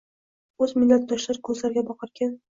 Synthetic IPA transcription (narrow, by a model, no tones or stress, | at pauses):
ɵzmɪlːat̪̚d̪ɒʃlaɾɪkʰɵzlaɾɡʲabɒqʰɨɾkʲan